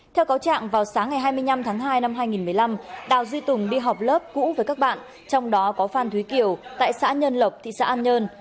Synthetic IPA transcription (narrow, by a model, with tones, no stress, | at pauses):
t̪ʰɛ˧wkaː˨˦wt͡ɕa̰ː˧˨ŋvaː˨˩wsaː˨˦ŋːa˨˩jɦaː˧jmɨ˧əjna˧mt̪ʰaː˨˦ŋɦaː˧jna˧mɦaː˧jŋi˨˩nmɨ˨˩əjla˧mɗa̰ː˨˩wzi˧t̪ʊ˨˩ŋ͡mɗi˧ɦɔ˨˩k͡p̚ləː˦˥p̚kṵ˧˥vəː˨˦jkaː˦˥k̚ɓa̰ː˧˨n | t͡ɕɔ˧wŋ͡mɗɔ˨˦kɔ˨˦faː˧nt̪ʰwi˨˦ki˧˩əwt̪a̰ː˧˨jsa̰ː˧˥ɲəː˧nlə˨˩k͡p̚t̪ʰḭ˧˨sa̰ː˧˥ʔaː˧nɲəː˧n